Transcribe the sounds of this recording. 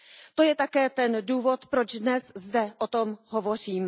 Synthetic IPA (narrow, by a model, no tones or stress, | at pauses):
t̪o̞jɛt̪akɛːt̪ɛnduːvo̞t̪pɾo̞d͡ʒdnɛszdɛʔot̪o̞mɦo̞vo̞r̝iːm